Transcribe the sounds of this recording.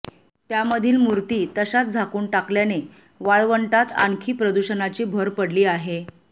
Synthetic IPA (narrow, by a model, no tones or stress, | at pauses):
t̪jaməd̪ʱiːlmuɾt̪iːt̪əɕat̪̚d͡zʱakuːɳʈakljane | ʋaɭʋəɳʈat̪a̰ŋkʰiːpɾəd̪uɕənat͡ɕiːbʱəɾpəɽliːaɦe